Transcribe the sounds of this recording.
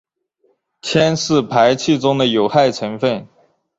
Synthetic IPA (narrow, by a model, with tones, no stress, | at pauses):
t͡ɕʰjɛ˥nʂɻ̩˥˩pʰa˧˥ɪt͡ɕʰi˥˩t͡sʊ˥ŋd̪ə˨jo˨˩ʊxa˥˩ɪt͡sʰə˧˥nfə˥˩n